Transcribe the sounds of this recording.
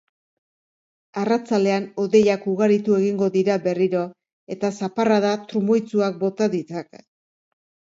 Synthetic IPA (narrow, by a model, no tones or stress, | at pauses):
arat͡sale̞ano̞ðe̞jakuɣaɾit̪ue̞ɣiŋɡo̞ðiɾabe̞riɾo̞ | e̞t̪asaparaðat̪ɾumojt͡suak̚bo̞t̪aðit͡sak